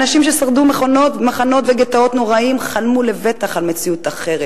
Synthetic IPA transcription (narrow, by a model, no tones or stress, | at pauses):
naʃimʃe̞saʁd̪umeχonotmaχano̞t̪veɡet̪ao̞t̪no̞ʁaimχanmule̞ve̞t̪aχalme̞t͡siut̪aχe̞ʁe